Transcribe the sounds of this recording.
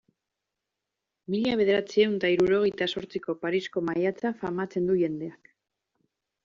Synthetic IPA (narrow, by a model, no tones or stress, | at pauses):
miʎaβe̞ð̞e̞ɾat͡siewnt̪aiɾuɾo̞ɣ̞e̞jt̪aso̞ɾt͡siko̞paɾisko̞majat͡safamat͡se̞nd̪uʝe̞nd̪e̞ak